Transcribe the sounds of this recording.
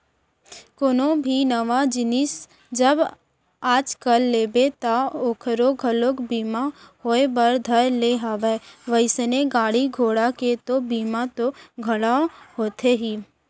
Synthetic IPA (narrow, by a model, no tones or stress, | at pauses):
konõbʱinəʋad͡ʒɪnɪs | d͡ʒəb | aːd͡ʒkəlːeːbet̪aoːkʰɾoɡʱəlokbiːmahoːebəɾd̪ʱəɾleɦaːʋeʋəɪsneɡaːɽiɡʱoːɽaket̪obiːmat̪oɡʱɐɽaɦoːt̪ʰeɦiː